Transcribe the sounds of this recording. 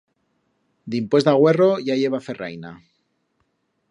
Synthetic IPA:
d̪impwe̞zd̪aɣ̞we̞ro̞ʝaʝe̞β̞afe̞ra̰jna

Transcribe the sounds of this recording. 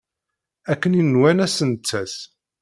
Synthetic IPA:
ækːəninːwænæsənt͡sːæs

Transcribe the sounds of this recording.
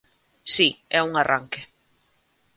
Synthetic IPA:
siɛuŋaraŋkɪ

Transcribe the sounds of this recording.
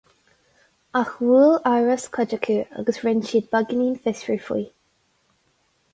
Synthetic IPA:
axwuːlaɹəskʰəd͡ʒəkʰuːa̰ɡəsɹɪnʃiːd̪̚baɡɪniːnfɪsɹuːfḭː

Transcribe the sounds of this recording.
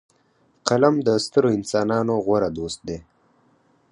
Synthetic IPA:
qalamd̪əst̪əɾoɪnsɑnɑnoɣwaɾad̪ost̪̚d̪e

